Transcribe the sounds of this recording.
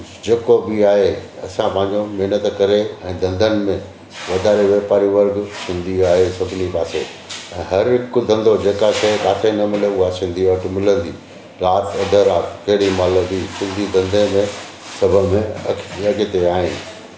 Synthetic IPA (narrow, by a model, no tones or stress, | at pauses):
d͡ʑeːkobiaːɦeɐsãpɐ̃ɦɪ̃ɲd͡ʑomɛɦnət̪kɐɾeɛ̃ːd̪ɐ̃nd̪ʱənɪ̆mẽ | ʋɐd̪ʱaːɾeʋeːpaːɾiʋɐɾɡsɪ̃nd̪iaːɦesɐbʱɪnipaːse | ɛ̃ːɦɐɾɪkʊd̪ʱɐ̃nd̪od͡ʑeːkasekaːt̪ʰenɐmɪleʊaːsɪ̃nd̪ʱiɐʈmɪlə̃nd̪iː | ɾaːt̪ʰɐd̪ʱəɾaːtkɐɦɪɽimaːlə̃d̪isɪ̃nd̪id̪ɐ̃nd̪ʱemẽ | sɐbʱə̆mẽɐ̰kʰɐɡɪt̪eaːɦɪ̃